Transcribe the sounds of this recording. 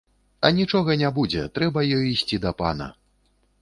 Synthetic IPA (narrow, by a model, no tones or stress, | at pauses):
ɐnʲit͡ʂɔɣɐnʲabud͡zʲɛ̰t̪ɾɛbɐjɔjisʲt͡sʲid̪ɐpa̰nɐ̰